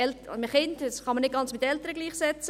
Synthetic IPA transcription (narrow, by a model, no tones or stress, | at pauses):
ɛltməχɪndəsχɑmənɪt̚ɡ̥ɑnt͡smɪt̪ːɛltəɾəɡliːχsɛt͡sə